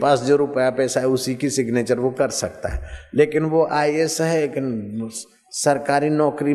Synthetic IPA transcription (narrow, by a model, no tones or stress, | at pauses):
paːsd͡ʒoɾʊpəjapɛːsaɦɛʊsikisɪɡneːt͡ʃəɾʋokɐɾsɐk̚t̪a̰ɦɛ̰leːkɪnʋoʔaːiesɦɛkɪn | sɐɾkaːɾinɔːkɾi